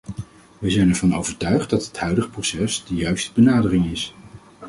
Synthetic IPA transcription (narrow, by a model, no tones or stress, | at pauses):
ʋəjzɛjnɛɹvɑno̰wvəɹtœɥχt̚dɑtɦətɦœɥdəχəprosɛsdəjœɥstəbənaːdərɪŋɪs